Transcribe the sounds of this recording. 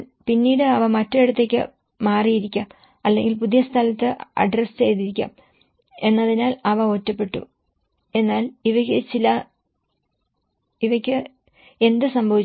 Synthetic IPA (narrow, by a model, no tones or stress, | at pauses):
pinːiːɽɨɐʋɐmɐtːɐiɽut̪ːe̞kʲːɨ̰ | maːrijiɾikʲːaːm | ɐlːe̞̰ŋɡilpuðijɐst̪ʰɐlɐt̪ːɨɐ̰ɖrest͡ɕe̞jt̪iɾikʲːa̰ːm | e̞nːɐðinaːlɐʋɐo̞ːtːɐpːe̞ʈːṵ | e̞nːaːliʋɐkʲːɨt͡ɕilɐ | iʋɐkʲːɨ | e̞nd̪ɨsɐmbʱɐʋit͡ɕː